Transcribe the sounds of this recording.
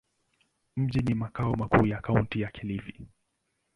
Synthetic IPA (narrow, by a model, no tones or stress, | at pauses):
m̩ʄinimakaɔmakuːjakauntijakʰɛlifi